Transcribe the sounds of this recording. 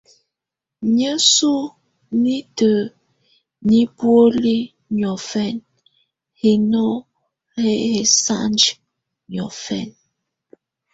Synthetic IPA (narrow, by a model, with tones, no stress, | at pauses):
ɲə˦su˦ | ni˦tə˨ | ni˦pwo˦li˦ | ɲɔ˨fɛ˦˨n | he˨no˦ | he˦he˨sa̰˦nd͡ʒ | ɲɔ˨fɛ̰˦˨n